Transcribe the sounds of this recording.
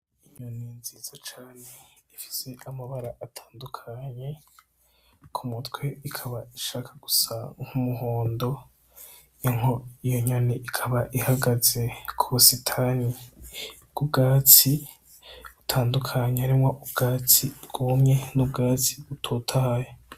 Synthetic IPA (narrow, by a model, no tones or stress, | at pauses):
iɲoninziːzat͡ʃaːneifi̥se̞ʔamaβaɾaʔatʰaːndukʰaɲe̞ | kʰumutwe̞ikʰaβaiʃaːkʰaɡ̥usaŋ̥humuɦoːndo̞ | joŋoijoɲoniʔikʰaβaʔihaɡaze̞kʰuβusitʰani | ɡ̥ubɡaːt͡si | utʰaːndukʰaɲeaɾimŋoʔubɡ̥aːt͡sibɡ̥umɲe̞nub̚ɡaːt͡si̥βutʰotʰahaje